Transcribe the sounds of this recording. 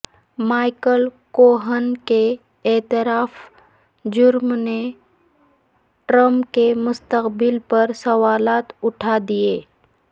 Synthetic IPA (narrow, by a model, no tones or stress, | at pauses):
maːɪkəlkoːɦənke | ɛːt̪ɪɾaːf | d͡ʒʊɾmne | ʈɾəmpkemʊst̪əqbɪlpɐɾsɐwaːlaːt̪ʊʈʰad̪ieː